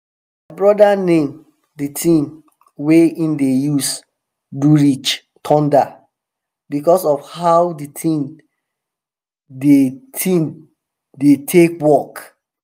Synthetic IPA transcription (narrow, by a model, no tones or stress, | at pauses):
maɪbɹɔdanẽm | ditʰĩm | weĩndejus | duɹit͡ʃ | tʰɔ̃nda | bikɔsɔfhaʊditʰĩm | detʰĩm | detʰekwɔk